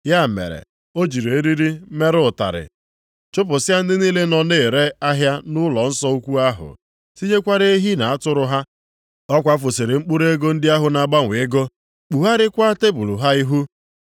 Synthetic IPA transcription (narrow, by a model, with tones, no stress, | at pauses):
ja˦˨mḛ˨ɾḛ˨ | o˦d͡ʒi˨ɾe˨e˦ɾi˦ɾi˦me˦ɾʊ˦˨ta̰˨ɾɪ̰˨ | t͡ʃʊ˦p̬ʊ˨sɪ˦a˦n̩˦dɪ˦niː˦le˦nɔ˨ne˦˨e˨ɾe˦a˦ɦja˦nʊ˦lɔ˨n̩˦sɔ˦u˦kʷu˦a˦ɦʊ̰˨ | si˦ɲe˦kʷa˦ɾe˦e˦ɦi˦na˨a˦tʊ˦ɾʊ˦ɦa˦ | ɔ˦kʷa˦fʊ˨sɪ˨ɾɪ˨ŋ͡m̩˦k͡pʊ˦ɾe˦ɡo˦n̩˦dɪ˦a˦ɦʊ˨na˨ɡ͡ba˦ŋʷe˨˦ɡo˦ | k͡pu˨ɦa˦ɾɪ˦kʷa˦te˦bu˨lu˨ɦa˦i˦ɦu˦